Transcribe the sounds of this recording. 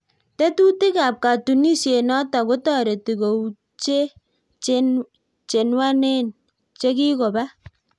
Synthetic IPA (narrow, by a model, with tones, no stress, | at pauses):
te˦tu˦ti˦ka˨p̚ka˨tu˨ni˦sje˨nɔ˦ta˨ko˦tɔ˦˨ɾe˨ti˨ko˨w | t͡ʃe˦ | t͡ʃen | t͡ʃe˨nwa˦ne˦n | t͡ʃe˦ki˦kɔ˨ba˦